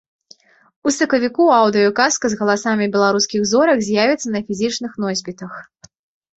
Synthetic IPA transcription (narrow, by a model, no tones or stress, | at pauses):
usɐkɐvʲikuawd̪ɨjɐkaskɐzɣɐlˠasamʲibʲɛlˠaɾuskʲiɣzɔɾɐkzʲjavʲɛt̪sːɐnɐfʲizʲit͡ʂnɨxnɔzʲbʲit̪ɐx